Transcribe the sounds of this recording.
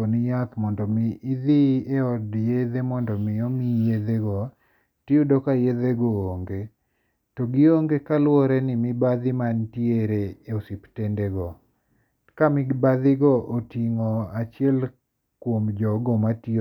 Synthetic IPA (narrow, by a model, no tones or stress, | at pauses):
onijat̪mɔndɔmiʔːðieɔdjeðemɔndɔmɪomijed̪eɡɔ | tiodɔkajeðeɡɔoŋɡe | tɔɡɪoŋɡekalwɔɾɛnɪmibad̪ɪmantjeɾeeosiptendeɡɔ | kamɪɡbaðɪɡɔʔotiŋɔat͡ʃɪɛl | kwomd͡ʒɔɡɔmati